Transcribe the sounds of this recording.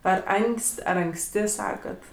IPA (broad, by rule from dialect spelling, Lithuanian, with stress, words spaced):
ˈɐr ˈɐŋksʲtʲ ˈɐr ɐŋksʲˈtʲɪ ˈsɑːkɐt